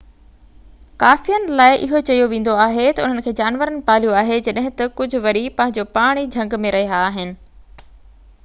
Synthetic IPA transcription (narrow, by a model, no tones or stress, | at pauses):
kaːfijənɪ̆laːɪʔɪɦot͡ɕɐijoʋẽːn̆d̪oaːɦet̪ɐʊn̤ənɪ̆kʰeːd͡ʑaːnʋəɾənɪ̆paːljuaːɦed͡ʑɐɗɦɪ̃t̪ɐkʊd͡ʑʱʊ̆ʋɐɾipɐ̃ɦɪ̃ɲd͡ʑopaːɽ̃id͡ʑʱɐ̃ŋɡmẽɾɐɦiaːɦɪnɪ̆